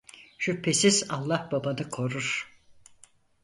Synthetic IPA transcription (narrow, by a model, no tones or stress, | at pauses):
ʃypʰːesizalˠːahb̥abanɯkʰo̞ɾuɾ̥